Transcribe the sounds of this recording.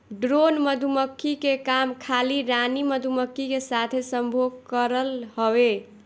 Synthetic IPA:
ɖɾonməd̪ʱuməkːikekamkʰaliɾaniməd̪ʱuməkːikesat̪ʰesəmbʱoɡkəɾəlɦəwe

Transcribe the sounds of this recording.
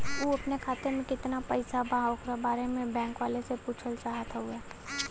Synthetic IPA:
uːɐpnekʰaːt̪emẽkɪt̪napɐɪsabʱaɦokɾabaːɾemẽbɛ̃ːŋkʋaːlesepuːt͡ʃʰəlt͡ʃaːɦət̪ʰaɦuɛ

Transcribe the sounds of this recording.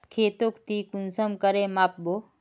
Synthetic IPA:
p̚kʰeːt̪oːkt̪iːkunsəmkəɾemap̚bo

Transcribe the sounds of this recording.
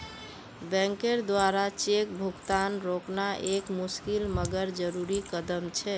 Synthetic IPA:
bɛ̃ŋkeɾd̪waɾat͡ʃek̚bʱuɡt̪anɾoknaʔekmuskilməɡəɾd͡ʒəɾuɾikəd̪əmt͡ʃʰɛ

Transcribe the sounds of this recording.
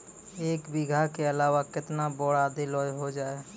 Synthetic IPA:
eːkbɪɡʱakeəlaːʋakɪt̪nabɔɽad̪ilɔjɦod͡ʒaːe

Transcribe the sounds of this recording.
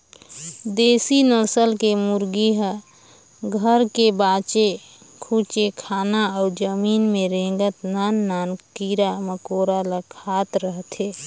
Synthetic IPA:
d̪eːsinəɾsəlkemuɾɡiɦə | ɡʱəɾkebat͡ʃe | kʰut͡ʃekʰaːnaɔʊd͡ʒəmiːnmeɾẽɡət̪nanːaːnkiɾaməkoɾaləkʰaːt̪ɾəɦt̪ʰe

